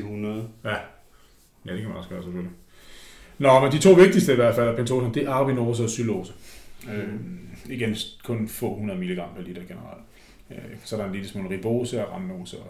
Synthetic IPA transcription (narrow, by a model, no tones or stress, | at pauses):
hunɐðˠæ | jæd̥e̝kʰæmænɒ̽sɡ̥ɶːɐseføli | nɒmend̥it͡sʰo̝̰ːʋe̝ɡ̥̚d̥isd̥əiʋæɐ̰d̥fæl̰æɐpʰent͡sʰo̝ːsɐnd̥eʔɑ̈b̥ino̝ːs̬əɒ̽sylo̰ːsəøiɡ̥enm̩skʰɔ̽nfɔ̰̽ːhunɐð̞ˠmiləɡ̥ʁɑ̈m̰pʰælid̥ɐɡ̥enəʁɑ̈l̰d̥ | sɒæɾɑnlidəsmonʁib̥o̝̰ːsəæʁɑmno̝ːsə